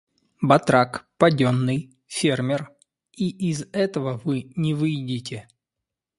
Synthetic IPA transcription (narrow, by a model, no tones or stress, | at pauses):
bɐt̪ɾakpɐdʲonːɨj | fʲermʲɪr | iʔɪzɛt̪əvəvɨnʲɪvɨjdʲɪtʲɪ